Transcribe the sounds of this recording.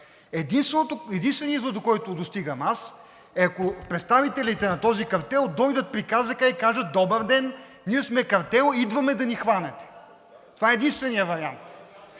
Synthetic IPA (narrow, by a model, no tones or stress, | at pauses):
ɛd̪inst̪vt̪oɛd̪inst̪vɛniizlˠod̪okɔjt̪ʊd̪ost̪iɡəmas | ɛɐkopɾɛt̪st̪avit̪ɛlit̪ɛnɐt̪ɔzikɐɾt̪ɛlˠd̪ɔjd̪ət̪̚pɾikazəkəikaʒɐt̪̚d̪ɔbəɾd̪ɛn | niɛsmɛkɐɾt̪ɛlˠid̪vɐmɛd̪ɐnixvanɛt̪ɛ̥ | tt̪ovaɛɛd̪inst̪vɛnijəvɐɾiant̪